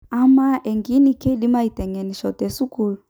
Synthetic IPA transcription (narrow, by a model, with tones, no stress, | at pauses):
a˦ma˦ɛ˨ŋɡi˦ni˨kɛ˦ɗi˦ma˦i˨tɛ˨ŋɛ˨ni˨ʃɔ˨tɛ˨su˦ku˦lu˨